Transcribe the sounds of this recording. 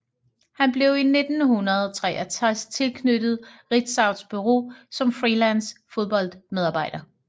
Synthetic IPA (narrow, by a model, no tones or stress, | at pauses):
hænb̥le̝ʊine̝d̥n̩hunɐð̞ˠɒt͡sʰʁɛ̰ːʔɐt͡sʰʁast͡sʰe̝lkʰnød̥ð̞̩ˠʁid̥sɑ̈ʊd̥sb̥yʁo̝̰ːsɒ̽mfʁilænsfo̝ð̞ˠb̥ɒ̽l̰d̥með̞ˠɑ̈ːb̥ɑ̈ɪ̰d̥ɐ